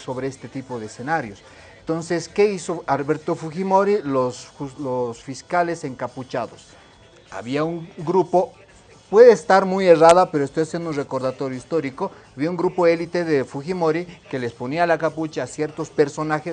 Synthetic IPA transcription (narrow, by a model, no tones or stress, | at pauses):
so̞βɾeest̪e̞t̪ipo̞ðeesenaɾjo̞s | ent̪o̞nse̞ske̞iso̞alβe̞ɾt̪o̞fuximo̞ɾilosulosfiskale̞se̞ŋkaput͡ʃaðos | a̰βiauŋɡɾupo̞ | pwe̞ðeːst̪aɾmuje̞raðapeɾoest̪o̞jasjend̪unre̞ko̞ɾðat̪o̞ɾjo̞ist̪o̞ɾiko̞aβiauŋɡɾupo̞e̞lit̪e̞ðefuximo̞ɾike̞le̞spo̞nialakaput͡ʃaːsje̞ɾt̪o̞spe̞ɾso̞naxes